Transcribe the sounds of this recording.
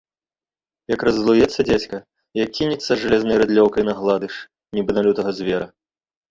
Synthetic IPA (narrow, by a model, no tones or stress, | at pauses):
jɐkɾɐzlˠujɛt̪sːɐd͡zʲat͡sʲkɐ | jakʲːinʲit̪sːɐʐalʲɛznɐjɾɨd̪lʲɔwkɐjnɐɣlˠad̪ɨʂ | nʲibɨnalʲut̪ɐɣɐzʲvʲɛɾɐ